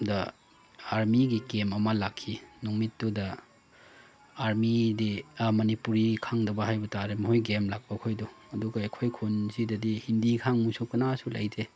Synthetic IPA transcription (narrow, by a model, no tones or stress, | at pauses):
dɐ | aɾmiɡikemɐmɐlakʰːinuŋmitːudɐ | aɾmidimɐnipuɾikʰaŋdɐbɐɦajbɐtaɾemɐhojɡemlak̚pɐkʰojduɐduɡɐejkʰojkʰonzidɐdihindikʰaŋmujsokɐnasula̰jte